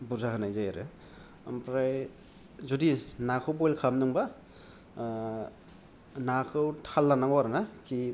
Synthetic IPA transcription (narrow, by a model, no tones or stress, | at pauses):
buɾzaɦɯnajzajaɾɯ | a̰mpɾaj | zudinakʰɯwbɔjlkʰamnɯŋba | nakʰɯwtʰalːanaŋwaɾnakʰi